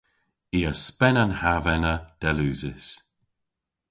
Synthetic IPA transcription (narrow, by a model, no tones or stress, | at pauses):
iːəspɛnanhavɛnəd̪̥ɛluːzɪs